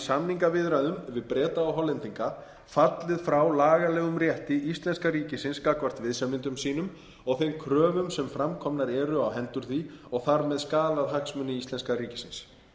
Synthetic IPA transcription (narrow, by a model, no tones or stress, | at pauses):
samniŋkavɪðɾaðʏmvɪðpɾɛːt̪aawɦɔlɛnt̪iŋka | fat̪lɪðfɾawlaːɣalɛːɣʏmrjɛht̪ɪʔist̪lɛnskaɾiːcɪsɪnskakvar̥t̪vɪðsamɪnt̪ʏmsiːnʏm | ɔɣθejmkʰɾœːvʏmsɛmfɾamkʰɔmnaɾɛːɾʏawɦɛnt̪ʏɾ̥θiɔɣθaɾmɛðskaːlaðɦaksmʏnːɪist̪lɛnskaɾiːcɪ̥sɪns